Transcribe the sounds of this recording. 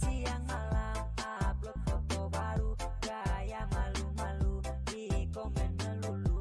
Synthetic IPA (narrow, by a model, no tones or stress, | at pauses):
siaŋmalamap̚lɔpɔt̪ɔbaɾuɡajamalumalu | dikɔmɛnːəlulu